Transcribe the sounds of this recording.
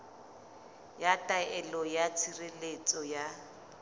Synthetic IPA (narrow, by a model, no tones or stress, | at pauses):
jatʼaɛlɔjat͡sʰirelet͡sʼɔja